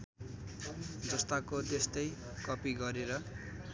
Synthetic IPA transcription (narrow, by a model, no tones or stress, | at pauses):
d͡zʌst̪akot̪est̪ʌj | kʌpiɡʌɾeɾʌ